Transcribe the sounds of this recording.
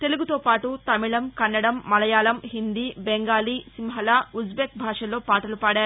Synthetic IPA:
t̪e̞luɡut̪oːpaːʈut̪ɐmiɭɐmkɐnːɐɽɐmːɐlɐjaːlɐmɦind̪iːbeŋɡaːliːsimɦɐlaːud͡ʒbeːk̚bʱaːʂɐlo̞ːpaːʈɐlupaːɽaːɾ

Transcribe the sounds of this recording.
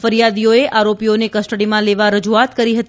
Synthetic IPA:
fəɾijad̪ijoeʔʔaɾopijonekəsʈəɽimãleʋaɾəd͡ʒuat̪kəɾiɦət̪

